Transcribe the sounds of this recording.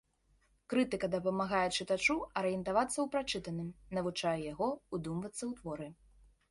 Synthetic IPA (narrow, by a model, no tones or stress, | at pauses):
kɾɨt̪ɨkɐd̪ɐpɐmaɣajɛt͡ʂɨt̪at͡ʂuɐɾɨjɛnt̪avat̪sːɐwpɾat͡ʂɨt̪ɐnɨmnɐvut͡ʂajɛjaɣɔud̪umvɐt̪sːɐwt̪vɔɾɨ